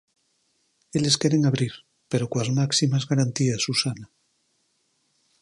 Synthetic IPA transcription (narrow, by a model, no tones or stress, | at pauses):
eleskeɾeŋaβɾiɾ | peɾokwazmaksimazɣaɾant̪iasusana